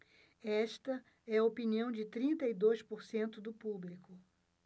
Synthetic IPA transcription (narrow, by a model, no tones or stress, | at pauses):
ɛst̪ɐ | ɛɐopiniɐ̃w̃d͡ʒɪt̪ɾĩnt̪ɐid̪ojspoɾsẽnt̪ʊd̪ʊpublikʊ